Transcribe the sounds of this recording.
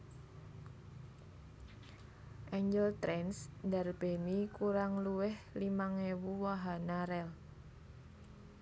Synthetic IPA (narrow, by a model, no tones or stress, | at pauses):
ʔɛɲd͡ʒəlt̪ɾɛnsndarb̥e̤nikuɾaŋluwɪhlimaŋewuwaɦanaɾɛl